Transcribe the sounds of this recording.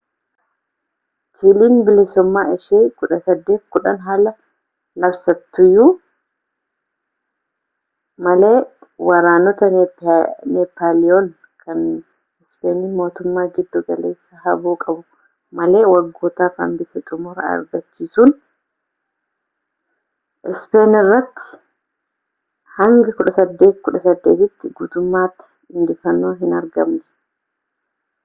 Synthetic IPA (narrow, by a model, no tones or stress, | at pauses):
t͡ʃiːliːnbɪlɪsʊmːaːɪʃeːkʊᶑɐsɐd̪ːe̞ːt̪̚kʊᶑɐnɦaːlɐ | lɐbsɐt̪ːʊjːu | mɐleːwɐɾaːnɔt̪ɐ | nɛpːaːlɪon | kʰɐn | ɪspeːnimo̞ːt̪ʊmːaːɡɪd̪ːuɡɐle̞̰ːsːahɐbuːkʼɐbʊ | mɐle̞ːwɐɡːo̞ːt̪aːfɐ̰mbɪsɛt̪ʼʊmɔɾɐ̰ɐ̰ɾɡɐt͡ʃːiːsʊn | ɪspe̞ːnɪrːɐt̪ːɪ̥ | hɐŋɡɐkʊᶑɐsɐd̪ːe̞ːt̪kʊᶑɐsɐd̪ːe̞ːt̪ɪt̪ːɪɡuːt̪ʊmːaːt̪ːɪ̥ | ɪnd̪ɪfɐnːoːɦɪnɐɾɡɐmnɛ̥